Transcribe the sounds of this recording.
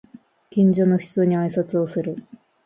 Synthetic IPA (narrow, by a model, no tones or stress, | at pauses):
kʲĩɲ̟d͡ʑo̞no̞çi̥t͡so̞ɲ̟iaisat͡sɨo̞sɨɾɯ̟